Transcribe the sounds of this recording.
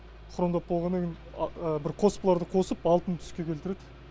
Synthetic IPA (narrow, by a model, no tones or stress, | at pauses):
χʰʊɾəmd̪ɑp̚bolˠʁɑnekʲen | əbɪɾqʰo̞spəlˠɑɾd̪əqʰo̞səpɑlˠt̪ənt̪ʰʏ̥skʲe̞kʲʰe̞lt̪ɪɾed̪ɪ